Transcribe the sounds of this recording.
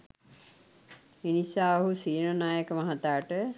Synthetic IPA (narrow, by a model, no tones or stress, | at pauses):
inisaːɦusiːnənaːjəkəmaɦat̪aːʈə